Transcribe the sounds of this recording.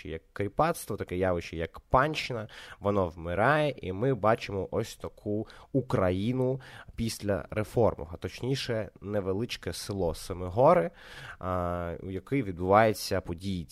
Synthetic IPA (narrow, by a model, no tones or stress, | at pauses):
ɪ̰jɐkːɾʲipɑt̪st̪ʋɔt̪ɐkɛjɑʋɪʃɪjɐkpɑnʲt͡ʃɪnɐʋɔnɔwmɪɾɑjɛʔḭmɪbɑt͡ʃɪmɔʔɔsʲt̪ɐkʰuukɾɐjinʊpʲisʲlʲɐ̰ɾefɔrmɔ̰ɦɐt̪ɔt͡ʃnʲiʃɛnɛʋelˠɪt͡ʃkɛsɪlˠɔsemɪɦɔɾɪ | ṵjɐkɪjʋʲid̪̚bʊʋɑjet͡sʲːɐpɔdʲiji